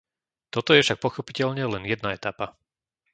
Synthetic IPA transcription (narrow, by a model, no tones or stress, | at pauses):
t̪ɔt̪ɔjɛfʃak̚pɔxɔpicɛʎɲɛlɛnjɛd̪naɛt̪apa